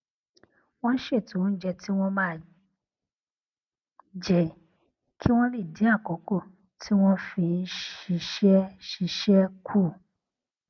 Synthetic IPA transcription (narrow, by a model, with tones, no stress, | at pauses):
w̃ɔ̃˦ʃe˦˨tũ˨˦n̩˦d͡ʒɛ˧ti˦w̃ɔ̃˦mãː˦˨ | d͡ʒɛ˨ | kʰi˦w̃ɔ̃˦le˦˨dĩ˨˦a˦˨kɔ˨˦ko˦˨ | tʰi˦w̃ɔ̃˦fĩ˧n̩˦ʃi˧ʃɛ˦ʃi˧ʃɛ˦kʰu˦˨